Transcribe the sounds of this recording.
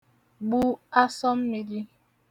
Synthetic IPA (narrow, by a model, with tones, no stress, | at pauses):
ɡ͡bu˦a˦sɔ˦m̩˦mi˨ɾi˦